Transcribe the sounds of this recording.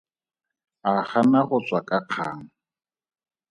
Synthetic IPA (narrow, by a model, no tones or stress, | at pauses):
aχanaɣʊt͡sʼwakʼaq͡χʰa̰ːŋ̩